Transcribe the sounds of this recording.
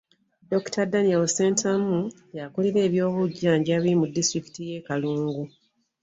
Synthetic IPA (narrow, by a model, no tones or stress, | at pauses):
do̞ktʰadanialoseːntʰamu | jakoliɾe̞ːβjo̞ːβuɟːaːɲɟaβimudːistɾiki̥tije̞ːkaluːŋɡu